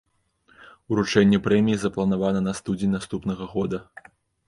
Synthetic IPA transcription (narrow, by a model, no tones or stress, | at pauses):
uɾut͡ʂɛnʲːɛpɾɛmʲijizɐplˠɐnavanɐnɐst̪ud͡zʲinʲnast̪upnɐɣɐɣɔd̪ɐ